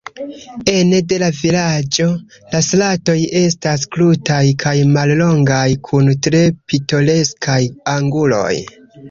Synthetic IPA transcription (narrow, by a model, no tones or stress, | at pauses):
e̞nde̞lavilad͡ʒo̞ | laslato̞je̞stas̬klutajkʰajmallo̞ŋɡajkʰuntɾe̞pito̞le̞skʰajaŋɡulo̞̰j